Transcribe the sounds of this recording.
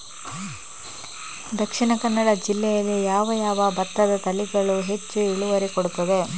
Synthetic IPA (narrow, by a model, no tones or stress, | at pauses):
d̪ɐkʂiɳɐkɐnːɐɽɐd͡ʒilːɛjɐlijaːʋɐjaːʋɐbɐt̪ːɐd̪ɐt̪ɐliɡɐɭuɦe̞t͡ʃːuiɭuʋɐɾikoɽut̪ːɐd̪e̞